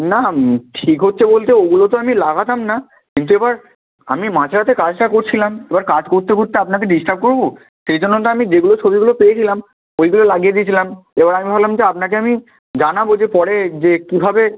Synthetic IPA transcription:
naʈʰikɦotːɕʰebolt̪eoɡulot̪oamilaɡat̪amna | kint̪̬uebaɾ | a̰mimãt͡ɕʰɾat̪̬ekad͡ʑʈakoɾt͡ɕʰilamebaɾkad͡ʑkoɾt̪ekoɾt̪eapnakeɖisʈab̚koɾbo | ʃejd͡ʑonːoʈaamid͡ʑeɡulot͡ɕʰobiɡulopejet͡ɕʰilam | ojɡulolaɡied̪iet͡ɕʰilamebaɾamibʱaklamd͡ʑeapnak̬eami | d͡ʑanabod͡ʑepɔɽed͡ʑekibʱabe

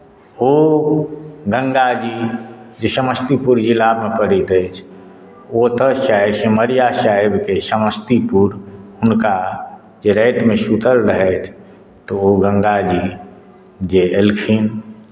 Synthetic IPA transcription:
o | ɡə̃ŋɡad͡ʒid͡ʒesəməst̪ipuɾd͡ʒilabmepəɾit̪ət͡ʃʰ | ot̪əsaibseməɾijasaebkesəməst̪ipuɾʊnka | d͡ʒeɾɛːt̪mẽsut̪əlɾəɦɛt̪ʰ | t̪ooɡə̃ŋɡad͡ʒi | d͡ʒeelkʰin

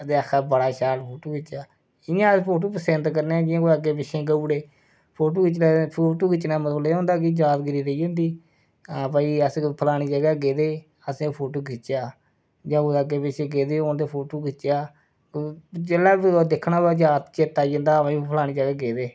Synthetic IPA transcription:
d̪eːakʰːaːbəɽaːʃaːlpʰoːʈoːkɪt͡ʃːaː | ɪjãːspʰoːʈ̬oːpəsɛ̃nt̪kəɾneɛːd͡ʒɪãːkoəɡeːpɪʃʰẽːɡəuːɽeː | pʰoːʈ̬oːkɪt͡ʃnaːpʰoːʈoːkɪt͡ʃːnãːmət̪blːõːnd̪aːk̬ɪd͡ʒaːt̪ɡɪɾiːɾəiːõːnd̪iː | ãːpaːiːəspʰəlaːɽ̃iːd͡ʒəɡaːɡeːd̪eː | əsẽːpʰoːʈoːkʰɪt͡ʃjaː | d͡ʒãːkoaɡeːpɪʃẽːɡeːd̪eːoːnt̪eːpʰoːʈoːkɪt͡ʃːjaː | t͡ʃelːaːd̪ɪkʰːnaːbaːd͡ʒaːt̪t͡ʃeːt̪ːaːid͡ʒə̃ːnd̪aːpːipʰəlaːɽ̃iːd͡ʒəɡaːɡeːd̪eː

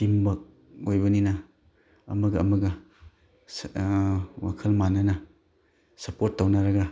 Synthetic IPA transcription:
timbɐk̚ | ojbɐninɐ | ɐ̰mɐɡɐɐ̰mɐɡɐ | wa̰kʰɐlmanɐnɐ | sɐpoɾtːɐwnaɾɐɡɐ

